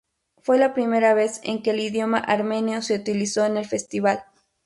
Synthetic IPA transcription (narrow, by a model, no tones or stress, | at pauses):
fwe̞lapɾime̞ɾaβe̞se̞̰ŋke̞ːliðjo̞maʔaɾmẽ̞njose̞ut̪iliso̞ene̞lfe̞st̪iβal